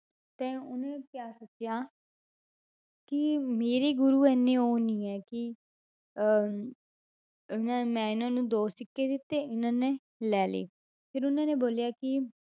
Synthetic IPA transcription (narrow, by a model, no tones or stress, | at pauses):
t̪ɛ̃ːʊnẽːkjaːsʊt͡ʃːjaː | kɪmeːɾeːɡʊɾuːɛːnːeːoːnĩːɛːkɪ | ɪnãmɛ̃ːɪnãːnũːd̪oːsɪkːeːd̪ɪt̪ːeːɪnãːnẽː | lɛːlḛː | pʰɪɾʊnãːneːboːljaːkɪ